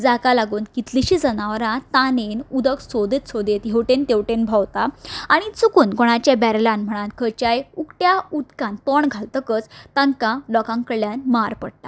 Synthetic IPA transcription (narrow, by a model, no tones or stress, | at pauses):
d͡zakalaɡuːnkit̪liɕid͡zənaʋɾãt̪anenud̪əksod̪et̪sod̪et̪ɦewʈent̪ewʈenbʱawt̪aaɽ̃it͡sukuːnkɔɽ̃at͡ɕjabɛɾlãnm̤əɽ̃ãnkʰət͡ɕajukʈjaut̪kãnt̪ɔɳɡʱalt̪əkət͡st̪ãŋkãlɔkãŋkəɭːjanmaɾpəɽt̪a